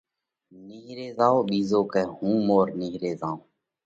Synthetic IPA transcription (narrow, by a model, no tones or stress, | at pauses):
niɦɾeːzaːoːɓiːzoːkeːhũːmoːɾniɦɾeːzãːõː